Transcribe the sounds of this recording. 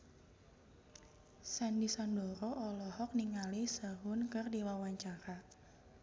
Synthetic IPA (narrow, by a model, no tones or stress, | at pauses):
sandisandɔɾɔʔɔlɔhɔk̚niŋalisaɦʊnkərdiwawaɲt͡ʃaɾa